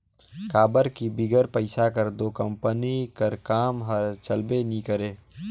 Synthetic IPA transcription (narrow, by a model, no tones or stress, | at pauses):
kaːbəɾkibiɡəɾpəɪsakəɾd̪oːkəmpənikəɾkaːmɦəɾt͡ʃəlbenikəɾeː